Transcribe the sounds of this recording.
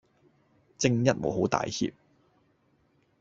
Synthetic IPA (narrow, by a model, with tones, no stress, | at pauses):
t͡sɪ˥ŋjɐ˥t̚mo̰˨˧wɦo˨˥wt̪a̰ː˨jhḭː˨p̚